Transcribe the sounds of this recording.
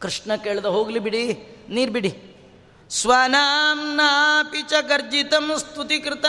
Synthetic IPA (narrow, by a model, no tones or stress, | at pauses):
kɾɪʂɳɐkeːɭd̪ɐɦoːɡlibiɽiniːɾbiɽi | sʋaːnaːmnapit͡ʃɐkɐɾd͡ʒit̪ɐmst̪ʰut̪ikɾɪt̪ɐ